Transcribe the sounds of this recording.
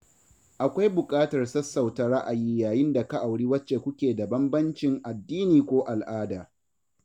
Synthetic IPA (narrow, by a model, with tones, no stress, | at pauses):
ʔa˨kʷa˦jbʊ˨kʼaː˦tɐ˨rsɐ˦sːa˨wta˦ɽa˦ʔa˨jiː˦jaː˨jɪ˦nda˨ka˦ʔa˨wɽiː˦wɐ˦t͡ʃːeː˨kʷʊ˦kʲeː˨da˨bɐ˦mbɐ˦nt͡ʃɪ˨ŋʔa˨dːiː˦niː˨kʷoː˦ʔa˨lʔaː˦daː˨